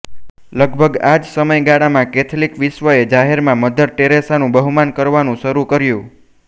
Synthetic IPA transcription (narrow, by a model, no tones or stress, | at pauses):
ləɡbʱəɡad͡ʒsəməjɡaɽamãkɛt̪ʰlikʋɪʃʋəed͡ʒaɦeɾmãməd̪ʱəɾʈeɾesanũbəɦumankəɾʋanũʃəɾukəɾjũ